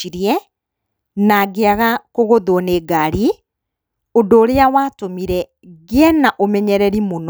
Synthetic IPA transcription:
iɾiɛ | naɡeaɣakoɣoðwɔneːɡaɾi | odoːɾeawaːtomiɾɛ | ɣeɛnaʔomɛɲɛɾɛɾimon

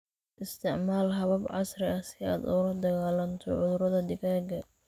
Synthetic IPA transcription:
ʔɪst̪ʰɪʕmaːlɦɐβɐbʕɑsrɪɐsɪa̰ːd̪ʊlɐd̪ɐɣaːlɐnt̪ʰɔʕʊðʊɾɐðɐd̪ɪkaːɡɐ

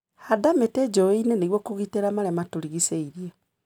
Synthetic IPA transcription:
hadameted͡ʒɔeineneɣwɔkoɣiteɾamaɾɛmatoɾiɣiseiɾie

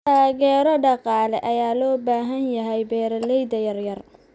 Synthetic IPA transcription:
tʰaːɣɛːɾɔɖɑqɑːlɛʔɐjaːlɔːbaːɦɐnjɐɦɛjbɛːɾɐlɛjd̪ɐjɐrjɐr

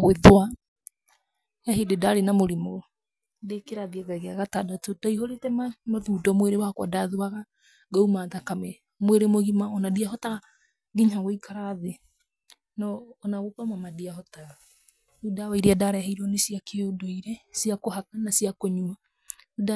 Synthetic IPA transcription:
ɣweðwa | jaɦededaɾenamoɾimo | dekeɾaðiaɣaɣeaɣatadatod̥aihoɾetɛmamaðudɔmweɾewakwa̰daðoaɣa | ɡaumaːðakamɛ | mweɾemoɣimaɔnadiaɦɔta | ɡiɲaɣoikaɾaðe | nɔːnaɣokamamadiahɔtaɣ | udawaiɾeadaɾɛhaiɾɔnesiakʰeodoiɾesiakohakanasiakoɲua | uda

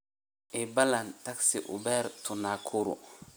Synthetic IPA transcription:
ʔɛbalantaksiʔʊ̰bɛɾtʰunakʰuɾṵ

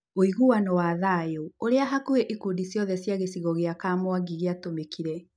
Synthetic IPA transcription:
oiɣuwanɔwaðajooɾeaɦakueʔikudisjɔðɛsjaɣesiɣɔɣeakamoaɡiɣeatomekiɾɛ

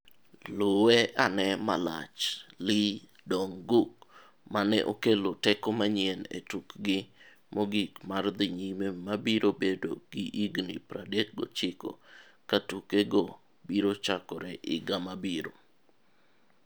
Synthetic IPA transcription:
lʊwɛʔanɛma̰la̰t͡ʃli | dɔŋɡuk̚ | manɛ̰ʔo̰kelotɛkomaɲɪɛnḛtukɡɪ | mɔɡikmard̪ɪɲimemabiɾobedoɡiʔiɡnipɾadek̚ɡo̰t͡ʃɪko̰katukeɡɔ | biɾot͡ʃakɔɾɛʔɪɡamabiɾo̰

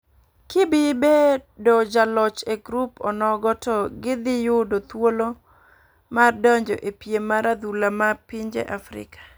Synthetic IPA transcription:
kɪbɪbedɔd͡ʒalɔt͡ʃeɡɾupɔ̰nɔɡɔtɔɡɪd̪ɪjʊdot̪wolo | mardɔɲd͡ʒɔ̰ʔepjemaɾad̪ulamapiɲd͡ʒḛʔafɾɪ̰kʰḁ

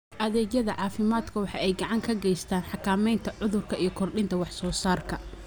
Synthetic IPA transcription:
ʔɐðɛːɡjɐðɐʕɑːfɪmaːd̪kʰɐwɑħɑʔɛjɡɑʕɑŋkʰɐɡɛjst̪ʰaːnħɑkʰaːmɛjnt̪ʰɐʕʊðʊrkʰɐijɞkʰɔrɗɪnt̪ʰɐwɑħsɔːsaːrkʰɐ

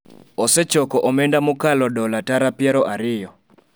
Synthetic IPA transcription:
ɔsɛt͡ʃɔkɔʔɔmɛndamʊkalɔdɔlataɾapjaɾɔʔaɾɪjɔ

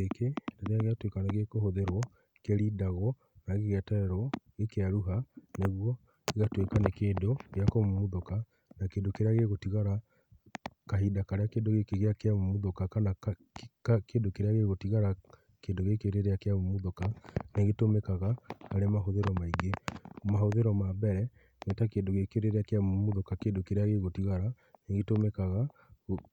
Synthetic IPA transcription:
ekedeɾeaɣeatwekaneɣekohoðeɾwɔ | keɾidaɣɔ | naɣeɣeatɛɛɾwɔɣekeaɾuɦaneɣwɔ | iɣatwekanekeːndoɣeakomomuðoka | nakeːndokeɾeaɣeɣotiɣaɾa | kaɦidakaɾeakeːndoɣekeɣeakeamomuðokakana | kkeːndokeɾeaɣeɣotiɣaɾa | keːndoɣekeɾeɾejakeamomuðokaneɣetomekaɣaːɾemaɦoðeɾɔmaiɡemahoðeɾɔmabɛɾɛ | netakeːndoɣekeɾeɾeakeamomuðokakeːndokeɾeaɣeɣotiɣaɾa | neɣetomekaɣa

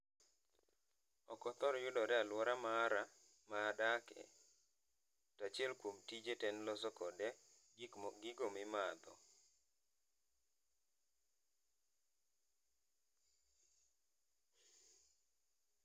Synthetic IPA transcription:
ɔkɔt̪ɔɾɔjʊdɔɾɛalwɔɾamaɾa | maːdakɛ̰ | tɔat͡ʃɪɛlkwomtid͡ʒetɛnlɔsɔkɔdɛ | ɡɪɡomɪmad̪ɔ̰

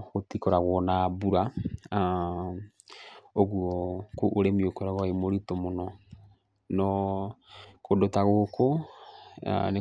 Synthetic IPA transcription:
ɣotikɔɾaɣwɔnabuɾa | oɣuɔkoʔːɾemiokoɾaɣɔemoɾitomonɔ | nɔ | kʰodotaɣoko̰ | ne

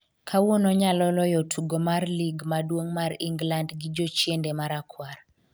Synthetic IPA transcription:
kʰawonɔɲalɔlɔjɔtʰuɡomarliɡmadwoŋmariŋɡlandɡɪd͡ʒɔt͡ʃjendɛmaɾakʰwar

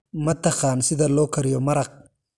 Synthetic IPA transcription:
mɐt̪ɐqɑːnsɪðɐlɔːkʰɐɾɪjɔmɐɾɐq̚

